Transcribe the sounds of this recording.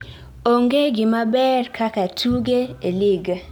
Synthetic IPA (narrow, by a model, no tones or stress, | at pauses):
oŋɡeɡɪmabɛrkʰakatʰuɡeeliɡ